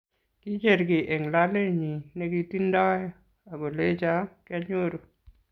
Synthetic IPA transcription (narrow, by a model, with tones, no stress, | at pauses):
ki˦d͡ʒe˦˨ɾɡɪ˨ʔe˨ŋla˦le˦ɲi˨ne˦ɡi˦ti˦ndɔ˦jɔ˦ | a˨ɡo˨le˦t͡ʃa˦kɪ˦a˦ɲo˦ɾo˨